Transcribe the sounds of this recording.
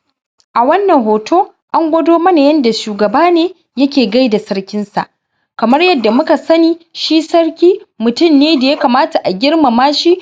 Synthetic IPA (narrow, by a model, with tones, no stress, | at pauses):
ʔa˨wɐ˦nːɐ˨ŋɦoː˨tʰoː˦ | ʔa˦ŋɡʷɐ˦doː˦mɐ˦na˨jɐ˦nda˨ʃuː˨ɡɐ˨baː˦neː˦ | jɐ˦kʲeː˨ɡa˦jda˨sɐ˦ɽkʲɪ˦nsa̰˨ʔ | kɐ˨mɐ˦rjɐ˦dːa˨mʊ˦ka˨sɐ˦niː˨ʃi˦sɐ˦rkʲiː˦mʊ˨tʊ˦˨mneː˦da˨ja˦ka˨maː˦ta˨ʔa˨ɡʲɪ˦ɽma˨maː˦ʃi˦